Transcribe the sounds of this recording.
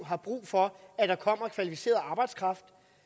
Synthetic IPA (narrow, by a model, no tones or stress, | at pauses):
ɦɑ̈b̥ʁṵːfɒ̽æd̥ɑ̈kʰɒ̽m̰ɐkʰʋælifise̝̰ːɐð̩ˠɑ̈ːb̥ɑ̈ɪ̰d̥skʰʁɑ̈fd̥